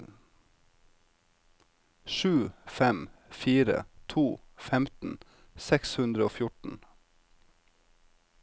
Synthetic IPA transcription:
ʃʉːfɛmfiːɾə̰t̪ʰuː | fɛmt̪n̩ | sɛkshʉnd̪ɾəoːfjʊʈn̩

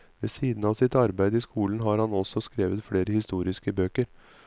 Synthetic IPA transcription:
ʋeːsiːd̪n̩ɑːʋsɪt̪ɑɾbæɪd̪əiːskuːln̩ɦɑːɾhɑnɔsɔskɾeːʋət̪fɽeːɾəhɪst̪uːɾɪskəbøːkəɾ

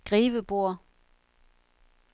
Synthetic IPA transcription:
ɡ̥ʁiːʋəb̥o̝ɐ̰

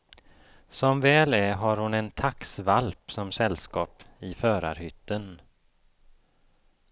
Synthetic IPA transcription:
sɔmvɛːlæɦaɾhʊnɛnt̪ʰaksvalpsɔmsɛlːskɑːpɪfœːɾa̰ɾhʏt̪ːən

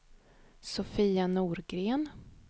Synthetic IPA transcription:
sʊfiːanuːɾɡɾeːn

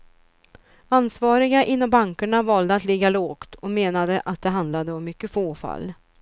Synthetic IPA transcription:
ansvɑːɾɪɡaʔɪnːɔmbaŋkəɳavɑːld̪əat̪lɪɡːaloːɡ̥t̪ʰɔmeːnad̪əʔat̪̚d̪ɛɦand̪lad̪əɔmːʏkːəfoːfa̰lː

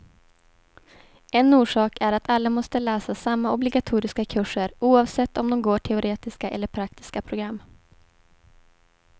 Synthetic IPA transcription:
ɛnuːʂɑːkʰæɾat̪ʰalːamɔst̪əlɛːsasamːaʔɔblɪɡat̪ʰuːɾɪskakʰɵʂːəɾuːɑːvsɛt̪ːɔmd̪ɔmɡoːʈʰɛʊɾeːt̪ɪskaʔɛ̰lːəɾpʰɾak̚t̪ʰɪ̥skapʰɾʊɡɾamː

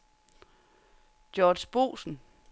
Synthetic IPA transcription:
d̥jɒːd̥sb̥o̝̰ːsn̩

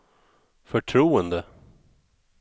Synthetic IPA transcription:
fœʈʰɾuːənd̪ə

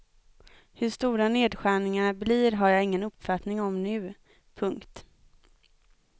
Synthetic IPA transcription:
hɵʂt̪uːɾaneːd̪ɧæːɳɪŋaɳablɪːɾɦaɾjaːɪŋːənɵpːfat̪nɪŋɔmnʉ̟ː | pʰɵŋkt̪

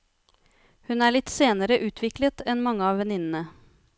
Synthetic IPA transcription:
hʉnæːɭɪt̪ːseːnəɾəʔʉːt̪ʰʋɪklət̪ɛnmɑŋːəɑːʋʋɛnɪnn̩ə

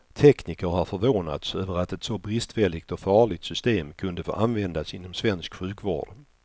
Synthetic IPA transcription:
t̪ʰɛkniːkəɾhafœɾvoːna̰t̪søːvəɾat̪ɛt̪sɔbɾɪst̪vɛlːɪɡ̚t̪ɔfɑːɭɪt̪sʏst̪eːmkʰɵnd̪əfo̰ːʔanvɛnd̪asɪnːɔmsvɛnskɧʉ̟ːkvo̰ːɖ

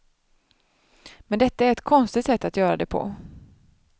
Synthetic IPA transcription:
mɛnd̪ɛt̪ːaæɾɛt̪kʰɔnst̪ɪt̪sɛt̪ːat̪jœːɾad̪ɛpʰɔ̰

